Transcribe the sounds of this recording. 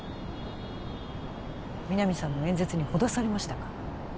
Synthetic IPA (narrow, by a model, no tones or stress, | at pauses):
mʲinamʲisãnːo̞ẽ̞ñd͡ze̞t͡sɨɲ̟iho̞d̪asaɾe̞maɕi̥t̪akḁ